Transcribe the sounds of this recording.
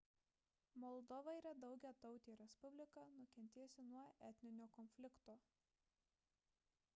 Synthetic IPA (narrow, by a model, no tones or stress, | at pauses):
mɔlˠd̪ɔʋɐɪɾʲɐd̪ɒʊɡʲɛːt̪ɒʊt̪ʲiːɾʲɛspʊbʲlʲɪkɐnʊkʲɛnʲt̪ʲeːsʲɪnuɔɛt̪ʲnʲɪnʲoːkɔnʲfʲlʲɪkt̪oː